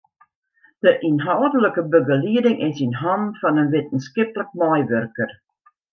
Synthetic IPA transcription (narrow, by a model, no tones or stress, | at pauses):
d̥əʔinɦawdələkəbəɡəliədɪŋʔɪsinɦɔmfɔnənʋɪtən̩skɪplək̚mɔjʋørkər